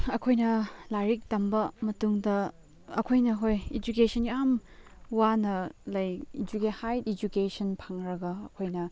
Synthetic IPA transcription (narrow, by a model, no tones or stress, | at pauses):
ɐkʰojnɐlajɾik̚tɐmbɐmɐtuŋdɐ | ɐ̰kʰojnɐɦojed͡ʒukesʰɐniamwanɐlɐjid͡ʒukehajtid͡ʒukesɐnpʰaŋɾɐɡɐːkʰojnɐ